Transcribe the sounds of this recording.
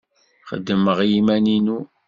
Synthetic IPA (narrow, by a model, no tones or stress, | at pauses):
χə̰d̪ːəməʁjimæninu